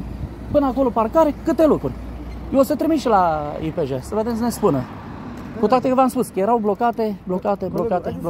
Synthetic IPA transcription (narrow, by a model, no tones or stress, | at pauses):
pɨnəakoloparkaɾekɨt̪e̞lukɾurʲ | josət̪ɾimiʃlaipeʒesəved̪emsənespunə | kut̪wat̪ekəvamspuskəjeɾawblokat̪eblokat̪eblokat̪eb